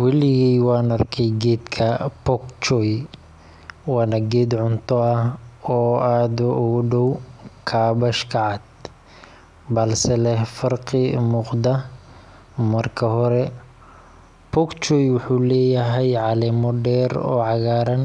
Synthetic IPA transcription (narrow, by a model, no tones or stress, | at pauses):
wɐlɪɣiːwɑːnɐrkʰɛjɡɛːd̪kʰɐpʰɔkt͡ʃɔj | wɑːnɐɡɛːd̪ʕʊnt̪ʰɔɐhɔːaːd̪ʊʔʊɣʊɖɔwkʰaːbɐʃkʰɐʕɑd̪̚ | bɐlsɛlɛhfɐrqɪmʊqd̪ɐ | mɐrkʰɐɦɔɾɛ | pʰɔkt͡ʃɔːjwʊħuːlɛːjɐɦɛjʕɑlɛmɔɖɛːɾɔ̰ːʕɑɣaːɾɐn